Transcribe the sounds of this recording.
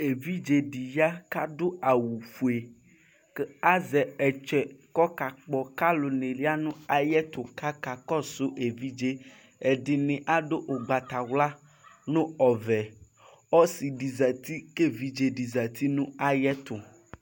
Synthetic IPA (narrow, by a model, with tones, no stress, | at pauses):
e˨vi˦d͡ʒe˨ɖi˨ja˦ka˦do˦a˨wu˨fu˨e˨ | ke˦a˦zɛ˨ɛ˨t͡ʃɛ˨kɔ˦ka˨k͡pɔ˨ka˦lo˨ne˨li˦a˦nũ˦a˨jɛ˦t̪ʊ˨ka˦ka˨kɔ˦sʊ˦ʔe˨vi˦d͡ʒe˦ | e˨ɖɪ˨nɪ̃˨ʔa˦ɖo˦ʔo˨ɡ͡ba˨t̪a˨wla˦ | nʊ̃˦ɔ˨vɛ˨ | ɔ˦si˨ɖi˨za˨t̪i˦ke˦vi˦d͡ʒe˨ɖi˨za˨t̪ʰi˦nũ˦a˨jɛ˦t̪ʊ˨